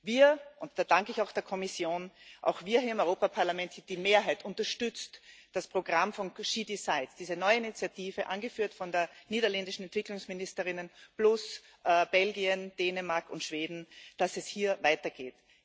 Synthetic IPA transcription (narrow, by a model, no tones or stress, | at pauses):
viːɐʔʊntd̥aːd̥aŋkəɪçaʊxd̥eːɐkʰɔmɪsjoːnʔa̰ʊxv̥iːɐhiːɐɪmɔʏʁoːpapʰaɐlamɛntd̥iːmeːɐɦaɪtʔʊntɐʃtʏt͡std̥aspʁ̥oɡʁamfɔnʃiːdisaɪtsd̥iːzənɔʏəinit͡sjatʰiːvəʔanɡəfyːɐtfɔndeːɐniːdɐlɛndɪʃn̩ɛntv̥ɪklʊŋsmɪnɪstəʁɪnənb̥lʊs | b̥ɛlɡiənd̥eːnəmaɐkʊ̰ntʃv̥eːdn̩d̥asɛshiːɐvaɪtɐɡ̥eːt